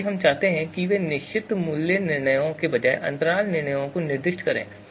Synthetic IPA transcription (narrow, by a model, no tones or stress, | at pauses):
ɦɐmt͡ʃaːɦt̪eɦɛ̃kiʋenɪʃt͡ʃɪt̪mʊljenɪɾɳəjõkebɐd͡ʒaːeʔɐ̰̃nt̪əɾaːlnɪɾɳ̃əjõkonɪɾd̪ɪʃʈkɐɾḛ̃ː